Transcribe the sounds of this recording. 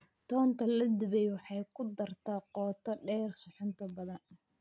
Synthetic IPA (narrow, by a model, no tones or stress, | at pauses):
t̪ʰɔːnt̪ʰɐlɐd̪ɪβɛjwɑħɑjkʰʊd̪ɐrt̪ʰɐqɔːt̪ʰɐɖɛːrsʊħʊnt̪ʰɐbɐðɐn